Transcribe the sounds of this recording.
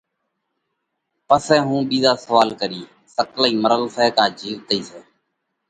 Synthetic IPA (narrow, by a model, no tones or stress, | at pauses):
pəsɛ̃ːɦũːɓiːzaːsəʋaːlkəɾiː | səkləiːməɾəlsɛːkaːd͡ʒiːʋt̪əiːseː